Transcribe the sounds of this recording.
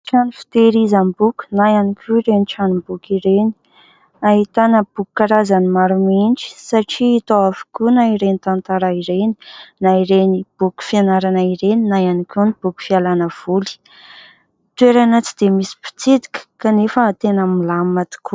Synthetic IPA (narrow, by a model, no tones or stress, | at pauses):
ʈ͡ʂanifi̥t̪eɾizambukʲu̥najanikʲʰuiɾeniʈ͡ʂanimbukiɾeni̥ | aɦit̪anəb̥ukkːaɾazanimaɾuminʈ͡ʂi̥saʈ͡ʂiːt̪oafu̥kʲunaiɾenit̪ant̪aɾaiɾeni̥naiɾenib̥uku̥fianaɾanaiɾeninajanikʲunib̥uku̥fialanəv̥uli̥ | t̪weɾanət͡si̥d̪̥emisi̥pi̥t͡sid̪i̥kə̥kanefəːt̪enəmilamat̪i̥ku